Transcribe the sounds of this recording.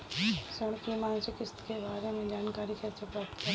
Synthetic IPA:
səɽkimãːnsekɪst̪kebaːɾemẽd͡ʒaːnkaːɾikʰɛsəpɐkt̪ː

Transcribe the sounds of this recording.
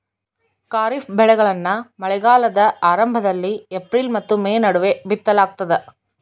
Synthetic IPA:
kaːɾifbɛɭɐɪɣɐɭɐnːaːmɐlɐɪɣaːlɐðɐʔaːɾɐmbɐðɐlːiɛpːɾiːlmɐt̪ːɯmeːnɐɽɯʋebɪt̪ːɐlaːk̚t̪ɐðɐ

